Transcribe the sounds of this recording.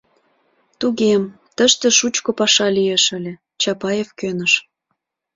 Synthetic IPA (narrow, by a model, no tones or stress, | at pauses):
t̪uɣem | t̪əʃt̪ĕʃut͡ɕkopɑʃɑlijeʃə̆lʲĕ | t͡ɕɑpɑjefkønəʃ